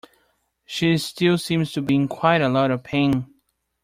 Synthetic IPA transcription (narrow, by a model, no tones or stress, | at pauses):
ʃistɪlˠsĩmz̥tʰɨbiɪ̃ŋkʰw̥aɪɾəlɔɾʌv̥pʰẽɪ̃n